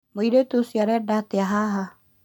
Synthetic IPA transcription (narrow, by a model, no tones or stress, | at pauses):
moidet̪usjaɾɛdat̪ɛaɦaɦa